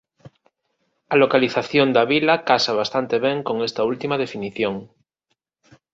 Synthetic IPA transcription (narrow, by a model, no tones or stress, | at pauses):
alokaliθaθjond̪aβilakasaβ̞ast̪ant̪eβ̞ẽŋko̞ŋest̪ault̪imað̞e̞finiθjoŋ